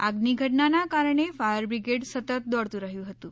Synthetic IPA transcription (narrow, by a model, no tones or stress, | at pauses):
aɡniɡʱəʈnanakaɾɳ̃efaəɾbɾiɡeʈsət̪ət̪̚d̪ɔɽt̪uːɾaɦjuːɦot̪uː